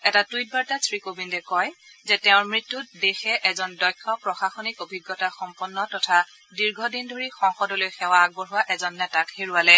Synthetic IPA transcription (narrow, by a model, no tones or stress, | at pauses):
ɛtatwit̚baɹtasʰɹikobindɛkɔjzɛtɛʊ̃ɹmɹitːutdexɛʔɛzɔndɔjkʰːɔpɹɔxaxɔnikobʱiɡːɔtaxɔmpɔnːɔtɔtʰa | diɹɡʱɔdindʱoɹixɔŋxɔdɔlojxɛwaːɡ̚bɔɹɦuwaʔɛzɔnːɛtakheɹualɛ